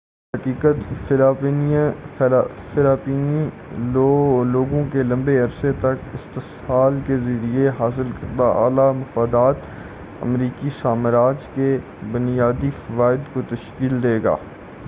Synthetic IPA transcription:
ɦɐkiːkət̪ː | fɪlaːpiːni | loːɡõkelɐ̃mbeɐɾset̪ɐkɪst̪ɪ | aːlkezɐɾieɦaːs̬ɪlkɐɾd̪aʔa̰ːlamʊfaːd̪aːt̪ | ə̰mɾiːkisaːməɾaːd͡ʒke | bʊnijaːd̪ifɐʋaːɪd̪kot̪ɐʃkiːld̪eːɡa̰ː

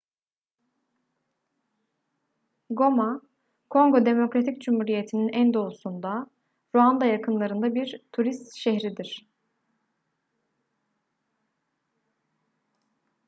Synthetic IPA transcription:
ɡo̞ma | kʰo̞ŋɡo̞d̪e̞mo̞kɾat̪ʰicd͡ʒumhuːɾije̞t̪ʰininʔænd̪o̞usund̪a | ɾuand̪ajakʰɯnlˠaɾɯnd̪abiɾt̪ʰuɾist̪ʃɛɦɾid̪iɾ̥

